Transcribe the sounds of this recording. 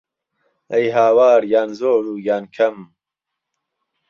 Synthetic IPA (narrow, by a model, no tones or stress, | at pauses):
ɐjɦaːwaːɾjaːnzoːɾuːjaːnkʰɐm